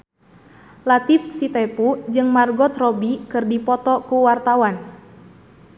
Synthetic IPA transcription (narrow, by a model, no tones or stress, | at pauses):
lat̪if̚sit̪ɛpud͡ʒɨŋmarɡɔt̪rɔbikɨrdipɔt̪ɔkuwart̪awan